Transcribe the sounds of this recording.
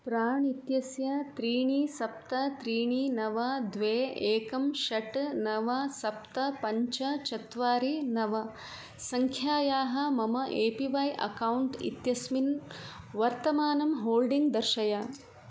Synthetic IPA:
pɾaːɳit̪jɐsjɐt̪ɾiːɳisɐp̚t̪ɐt̪ɾiːɳinɐʋɐd̪ʋeːeːkɐmʃɐʈnɐʋɐsɐpt̪ɐpɐɲt͡ʃɐt͡ʃɐt̪ʋaːɾinɐʋɐ | sɐŋkʰjaːjaːɦɐmɐmɐʔeːpiʋɐjʔɐ̰kɐwɳʈḭt̪jɐsmin | ʋɐɾt̪ɐmaːnɐmɦoːlɖiŋɡd̪ɐɾʃɐjɐ

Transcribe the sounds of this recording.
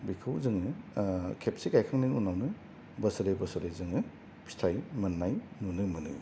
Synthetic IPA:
bikʰɯwzɯŋɯkʰepsikajkʰaŋnɯnunawnɯ | bɐsɐɾebɐsɐɾejzɯŋɯ | pʰi̥stʰajmɐnːajnunɯmɯnɯ̰

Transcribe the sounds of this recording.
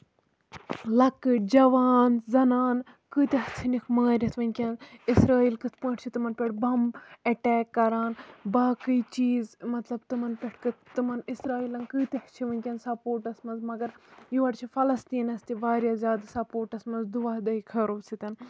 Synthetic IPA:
lɐkɨd͡ʒɐʋaːnzɐnaːn | kɨːt̪ɐht͡sʰinikʰmaːɾʲɐt̪ʰʋɐnʲkʲɐnisɾaːiːlkɨt̪ʰpə̃ːʈʰʲt͡ʃʰit̪ɨmɐnpʲɐʈbɐmɐʈɛːkːɐɾaːnbaːkɨit͡ʃiːzmɐt̪lɐb̚t̪ɨmɐnpʲɐʈʰkɨt̪ɨmɐnisɾaːiːlɐnkɨːt̪ɐht͡ʃʰiʋɐnʲkʲɐnsɐpoːɾʈɐsmɐnzmɐɡɐɾjuʋɐʈt͡ʃʰifɐlɐst̪iːnɐst̪iʋaːɾʲjaːzʲjaːd̪sɐpoːɾʈɐsmɐnzd̪uʋaːd̪ɐikʰɐɾoːt͡sʰit̪ʲɐn

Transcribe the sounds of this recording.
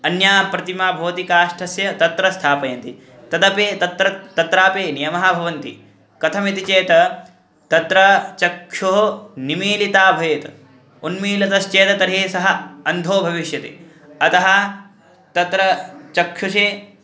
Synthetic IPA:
ɐnjaːpɾɐt̪imaːbʱɐʋɐt̪ikaːʂʈʰɐsjɐt̪ɐt̪ɾɐst̪ʰaːpɐjɐnt̪i | t̪ɐd̪ɐpeːt̪ɐt̪ɾɐt̪ɐt̪ɾaːpeːnijɐmɐɦɐbʱɐʋɐnt̪ḭ | kɐt̪ʰɐmit̪it͡ʃeːt̪ɐ | t̪ɐt̪ɾɐt͡ʃɐkʃoɦonimiːlit̪aːbʱɐjet̪ɐ | unmiːlɐt̪ɐst͡ʃeːt̪ɐt̪ɐɾɦeːsɐɦɐ̆ɐnd̪ʱoːbʱɐʋiʃjɐt̪ḛː | ɐt̪ɐɦɐ̆ | t̪ɐt̪ɾɐt͡ʃɐkʃuʃeː

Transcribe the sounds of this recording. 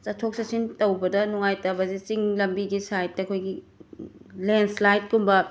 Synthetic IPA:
t͡ʃɐtʰok̚sɐsintɐwbɐdɐnuŋajtɐbɐzit͡ʃiŋlɐmbiɡisajtːɐɐkʰojɡi | lenslajt̚kumbɐ

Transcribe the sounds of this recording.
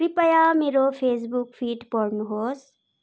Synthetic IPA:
ɾipɐjameːɾopʰeːs̬bukfʰiːʈpɔɾnɦoːs

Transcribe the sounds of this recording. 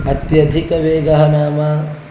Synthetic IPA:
ɐt̪jɐd̪ʱikɐʋeːɡɐɦɐnaːmaː

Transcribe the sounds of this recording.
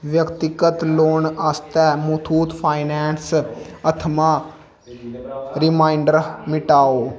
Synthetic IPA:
ʋjəkt̪ɪkət̪loːnaːst̪ɛːmut̪ʰuːt̪pʰaːɪnɛːnsət̪ʰmaː | ɾɪmaːɪɳɖəɾmɪʈaːoː

